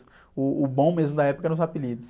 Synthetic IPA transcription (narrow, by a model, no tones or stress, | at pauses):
ʊːbõw̃mezmʊd̪ɐɛpʊkɐɛɾɐ̃zapilid̪ʊs